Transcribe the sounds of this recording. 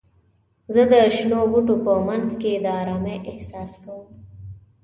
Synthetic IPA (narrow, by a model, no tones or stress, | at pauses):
zəd̪əʃnobuʈopəmanzked̪əɑɾɑmeʔɪhsɑːskawəm